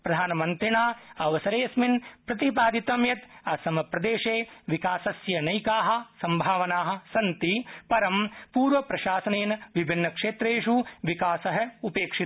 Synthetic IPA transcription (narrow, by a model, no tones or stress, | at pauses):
pɾɐd̪ʱaːnɐmɐnt̪ɾiɳaːɐʋɐsɐɾeːsminpɾɐt̪ipaːd̪it̪ɐmjɐt̪ɐsɐmɐpɾɐd̪eːʂeːʋikaːsɐsjɐnɐjkaːɦɐ̆sɐmbʱaːʋɐnaːɦɐ̆sɐnt̪ipɐɾɐmpuːɾʋɐpɾɐʃaːsɐneːnɐʋibʱinːɐkʂeːt̪ɾeːʂuʋikaːsɐɦɐ̆upeːkʂi